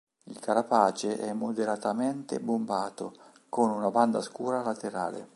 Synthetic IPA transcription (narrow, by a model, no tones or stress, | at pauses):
ilkaɾapaːt͡ʃeʔɛmːod̪eɾat̪amɛnt̪ḛbombaːt̪o | konunaband̪askuːɾalat̪eɾa̰ːlḛ